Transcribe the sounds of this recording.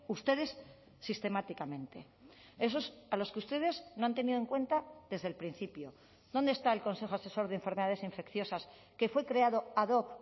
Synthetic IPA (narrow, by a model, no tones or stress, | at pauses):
ust̪e̞ð̞e̞sː | ist̪e̞mat̪ikamẽ̞nt̪e̞ | e̞so̞salo̞skeust̪e̞ð̞e̞zno̞ant̪e̞niðoeŋkwe̞nt̪aðe̞zðelpɾin̟θipjo | ðo̞nd̪est̪aelko̞nse̞xoase̞so̞ɾðeːɱfe̞ɾmeðaðe̞siɱfe̞kθjo̞sas | ke̞fwe̞kɾe̞aðoaðok